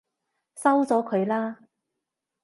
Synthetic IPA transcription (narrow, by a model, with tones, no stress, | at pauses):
sɐ˥wt͡sɔː˨˥kʰɵ˨˧ɥlaː˥